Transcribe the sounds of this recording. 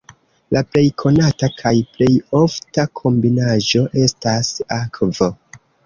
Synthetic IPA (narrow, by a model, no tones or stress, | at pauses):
laple̞jkʰo̞natakʰajple̞jo̞ftakʰo̞mbinaʒo̞ʔe̞stasakvo̞